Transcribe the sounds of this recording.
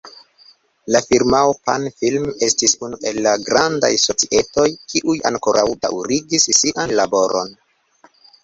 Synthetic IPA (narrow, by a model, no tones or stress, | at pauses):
lafiɾmawopanfilme̞stisunuʔe̞lːaɡɾanda̰jso̞t͡siʔe̞to̞jkiʔuja̰ŋko̞ɾʔawda̰wɾiɡisːiʔanlabo̞ɾʔo̞̰n